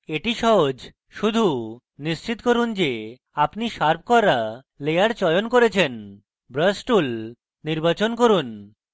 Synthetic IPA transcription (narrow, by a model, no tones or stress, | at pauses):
eʈiʃɔɦod͡ʑ | ʃud̪ʱu | niʃt͡ɕit̪koɾund͡ʑe | apniʃaɾb̚ʰʱkɔɾa | lejaɾt͡ɕɔjonkoɾet͡ɕʰen | bɾəsʈul | niɾbat͡ɕonkoɾun